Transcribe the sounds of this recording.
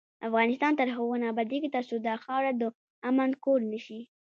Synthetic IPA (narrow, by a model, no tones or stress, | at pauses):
afɣɑnɪst̪ɑnt̪əɾɦoɣonabad̪ikit̪asod̪ɑxɑɾad̪ə | amankoɾnəʃi